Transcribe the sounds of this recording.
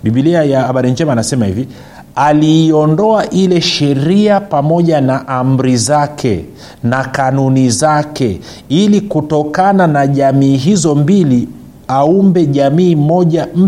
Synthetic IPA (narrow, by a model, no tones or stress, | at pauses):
ɓiɓiliajaːɓaɾiɲd͡ʒɛmaːnasɛmahḭvi | aliːɔndɔaʔilɛʃɛɾiapamɔʄanaʔam̩ɾizakʰɛ̰ | nakanunizakɛ | ilikutɔkananaʄamiːɦizɔmbili | aumbɛʄamiːmɔʄam̩